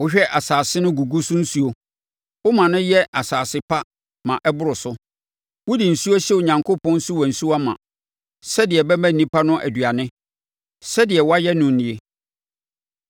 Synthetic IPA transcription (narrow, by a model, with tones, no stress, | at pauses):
wʊ˦ɕᶣɛ˦ʔa˨saː˨sɪ˦nʊ̃˦ɡu˨ɡu˦sʊ̃˦n̩˦su˦o˨ | ʊ˦mã˨nʊ̃˦jɛ˦ʔa˨saː˨sɪ˦pʰa˦ | mã˨ʔɛ˦bʊ˦ɾʊ˨sʊ˦ | wʊ˦di˨n̩˨su˦a˦ɕɛ˦o˨ɲã˨ŋkʰo˦pʰɔ̃˦n̩˦su˦wɔ˨n̩˨su˦a˦mã̰˨ | sɛ˦dɪ˨ɛ˨bɛ˦mæ̃˦˨ĩ˦pʰa˦nʊ̃˦ʔæ̰˨dɥa˨nɪ̃˦ | sɛ˦dɪ˨ɛ˨wɔ˦a˦jɛ˦nʊ̃˨n̩˨nĩ˨e˦